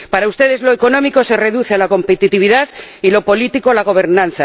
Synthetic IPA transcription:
paɾaust̪e̞ðe̞zlo̞eko̞nõ̞miko̞se̞re̞ðuθealako̞mpe̞t̪it̪iβ̞iðaθilo̞po̞lit̪ikolaɣ̞o̞β̞e̞ɾnãnθa

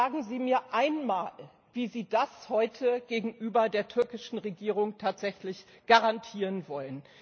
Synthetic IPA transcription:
aːɡŋ̩ziːmiːɐʔaɪnmaːl | viːziːdashɔʏtʰəɡ̥eːɡŋ̩ʔyːbɐdeːɐtʰʏɐkɪʃn̩ʁeɡiːʁ̞ʊŋtʰaːtz̥ɛçlɪçɡ̥aʁantʰiːʁənvɔlən

